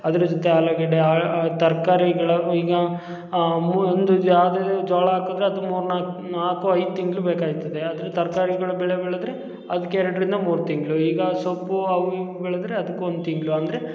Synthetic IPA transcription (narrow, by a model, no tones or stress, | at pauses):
ɐd̪ɐɾɐd͡ʒot̪eaːlɐɡeɽeaːt̪ɐɾkaːɾiɡɐɭɐiːɡɐ | mond̪ujaːwd̪ed͡ʒaːɭɐaːkod̪ɾeɐd̪umuːɾunanaːkuɐjd̪ut̪iŋɡɐɭubeːkaːɡit̪ːɐd̪eɐd̪ɐɾet̪ɐɾkaːɾiɡɐɭubɛɭebɛɭed̪ɾe | ɐd̪ɐkːeɛɾɐɽɐɾind̪ɐmuːɾut̪iŋɡɐɭuiːɡɐsopːuɐʋbɛɭɐd̪ɾeɐd̪ɐkːuond̪ut̪iŋɡɐɭuɐnd̪ɐɾe